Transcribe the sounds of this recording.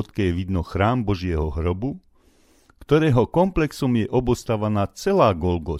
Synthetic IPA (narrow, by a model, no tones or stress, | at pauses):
t̪kɛʋid̪nɔxɾaːmbɔʒɪɛɦɔɦɾɔbu | kt̪ɔɾɛːɦɔkɔmplɛksɔmjɛʔɔbɔst̪aʋanaːt͡sɛlaːɡɔlɡɔ